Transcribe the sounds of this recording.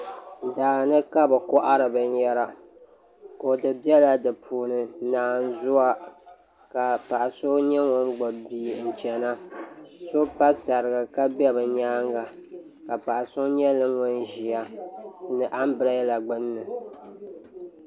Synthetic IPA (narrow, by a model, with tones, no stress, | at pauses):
daː˨nɨ˦ka˦bɨ˨kɔ˦ʔa˦ɾɨ˨bɨ˨n˦jɛ˦ɾa˦ | ko˨dɨ˨bi˦ɛ˦la˦dɨ˨pʰuː˨nɨ˨naː˨n˦zʊ˦a˦ | ka˨pa˨ʔa˨so˦ɲɛ˦ŋɔ˦ŋɡ͡bɔ˨biː˨n̩˨t͡ʃɛ˨na˦so˦pa˦sa˨ɾɨ˨ɡɨ˨ka˦bɛ˦bɨ˨ɲaː˦ŋɡa˨ | ka˨pa˨ʔa˨so˦ɲɛ˦lɨ˦ŋɔ˦nʒi˨a˦nɨ˨ʔa˦m˦bɨ˨˦la˦la˨ɡ͡bɨ˦nːɨ˨